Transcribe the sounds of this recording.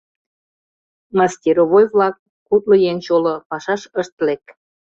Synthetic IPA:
mɑstʲiɾoβojvlɑk̚ː | ut̪̚ləjent͡ɕolopɑʃɑʃəʃt̪lek

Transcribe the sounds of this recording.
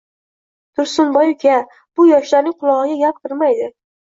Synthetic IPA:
t̪ʰʊɾsʊnbɒjkʲʰa | b̥ʊjɒʃlaɾnɪŋqʰʊlˠɒʁɨɡʲaɡʲap̚k̪ʰʊɾmajd̪ɪ

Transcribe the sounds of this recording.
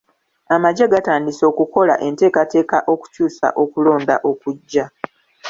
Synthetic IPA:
amaɟeɡataːndiso̞ːkuko̞la̰ʔe̞nte̞ːkate̞ːkaʔo̞ku̥cuːsa̰ʔo̞kulo̞ːndaʔo̞kuɟːa

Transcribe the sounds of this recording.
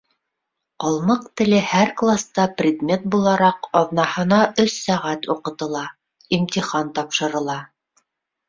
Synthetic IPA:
qɑlˠmɤq̚t̪ɘ̆lɘhæɾklˠast̪ɑprʲɪd̪mʲe̞t̪̚bulˠɑɾɑqɒðnɑhɤ̆nɑʔɵsːæʁæt̪uqɤ̆t̪ɤ̆lˠɑ | imt̪ʲiχɑnt̪ɑpʃɤ̆ɾɤ̆lˠɑ

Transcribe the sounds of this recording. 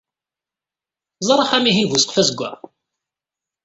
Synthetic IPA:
zˤɾˤɑħæmiɦinvusqfæzəɡʷːæ̰

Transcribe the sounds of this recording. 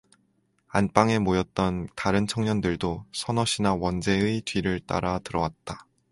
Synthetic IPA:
anp͈aŋe̞mojʌt̚t͈ʌntaɾɯnt͡ɕʰʌŋɲʌndɯɭdosʰʌnʌɕʰinawʌnd͡ʑe̞ɯidɥiɾɯɭt͈a̰ɾatɯɾʌwat̚t͈a

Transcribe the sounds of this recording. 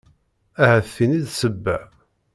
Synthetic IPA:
æhæθːiniðsəbːæ

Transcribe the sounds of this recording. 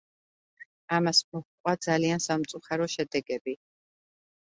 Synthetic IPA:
amasmɔχkʼwad̪zaliansamt̪sʼuχaɾɔʃɛd̪ɛɡɛbi

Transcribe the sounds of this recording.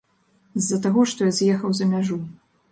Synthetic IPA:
zːɐt̪aɣɔʂt̪ɔjazʲjɛxɐwzɐmʲaʐu

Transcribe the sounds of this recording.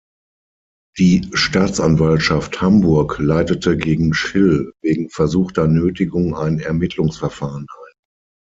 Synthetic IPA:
d̥iːʃtaːt͡sʔanvaltʃafthambʊɐklaɪtətʰəɡeːɡŋ̩ʃɪlveːɡŋ̩fɛɐzuːxtɐnøːtɪɡʊŋa̰ɪnɛ̰ɐmɪtʰlʊŋsfɛɐfaːʁənʔaɪn

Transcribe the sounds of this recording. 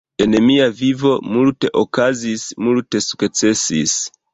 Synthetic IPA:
enemiavivo̞multeʔokazismulte̞su̥kt͡se̞sḭs

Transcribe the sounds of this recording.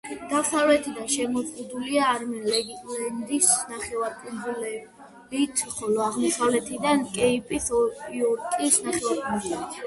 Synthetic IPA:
d̪̥asavlɛt̪ʰid̪anʃɛmɔzqʼud̪uliaːɾmɛnlɛɡit̪ʼlɛnd̪isnaχɛwaɾpʼunzulɛ | lit̪ʰχɔlɔaʁmɔsavlɛt̪ʰid̪ankʼɛipʼisɔiɔɾkʼisnaχɛwaɾpʼuɾzulɛ

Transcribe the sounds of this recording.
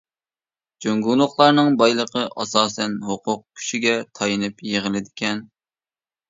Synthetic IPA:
d͡ʒøŋɡulˠʊχlˠɑɾnɨŋbɑjlˠəqʰəʔɑsɑːsɛnɦoqʰʊq̚kʲʰy̥ʃiɡʲɛt̪ʰɑjɨnɨpjeʁɪlɪd̪ɪkʲʰɛn

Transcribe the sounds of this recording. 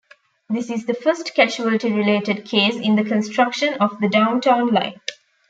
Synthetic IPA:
d̪ɪsɪzd̪əfəɾsʈkæd͡ʒuəlʈiɾɪleːʈəɖ̚kʰeːsɪ̃nd̪əkə̃nsʈʰɾʌkʃə̃nɔfd̪əɖãʊ̃nʈãʊ̃nlã̰ɪ̃n

